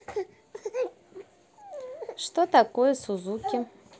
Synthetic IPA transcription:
ʂt̪ot̪akojɛsuzukʲɪ

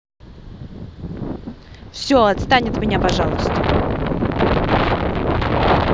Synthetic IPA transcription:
fsʲoɐt̪st̪anʲɪt̪mʲɪnʲapɐʐalˠəst̪ə

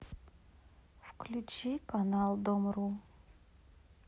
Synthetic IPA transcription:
fklʲut͡ɕikanalˠd̪omɾu

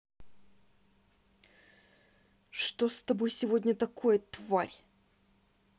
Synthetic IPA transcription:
ʂt̪ost̪ɐbo̞jsʲɪvo̞dʲnʲət̪ɐkʰo̞jət̪vaɾʲ

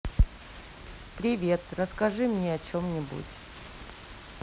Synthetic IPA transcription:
pɾʲɪvʲe̞t̪rəskɐʐɨmnʲeɐt͡ɕomnʲɪbṵtʲ

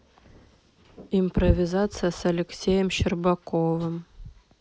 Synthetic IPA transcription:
improvʲizat̪sɨjasɐlʲeksʲejəmɕɪrbɑkovəm

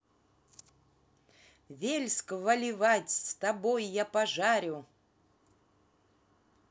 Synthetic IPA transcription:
vʲelʲskvɐlʲɪvatʲst̪abojːapaʐaɾʲʊ

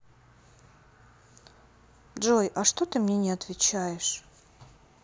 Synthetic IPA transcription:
ʐojʔɐʂt̪ot̪ɨmnʲenʲɪɐt̪vʲɪt͡ɕajɪʂ

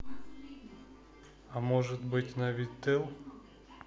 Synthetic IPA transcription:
amoʐɨt̪bɨtʲnɐvʲit̪ɨlˠ

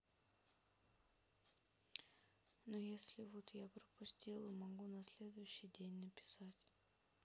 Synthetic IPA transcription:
nojesʲlʲɪvot̪japɾəpʊsʲtʲilˠəmɐɡunɐsʲlʲe̞d̪ʊjʉɕːɪjdʲenʲnəpʲɪ̥satʲ

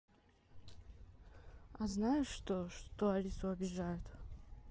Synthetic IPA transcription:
aznajʊʂt̪oʂt̪oalʲisʊɐbʲɪʐajʊt̪

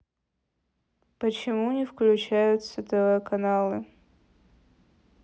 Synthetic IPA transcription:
pət͡ɕɪmunʲɪfklʲʉt͡ɕæjʊt̪sət̪ɐvəkɐnalˠɨ

